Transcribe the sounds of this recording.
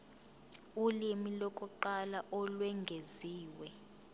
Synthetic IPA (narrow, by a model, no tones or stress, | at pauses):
ulimilɔkʼɔǃalaʔɔlwɛŋɡʱeziːwɛ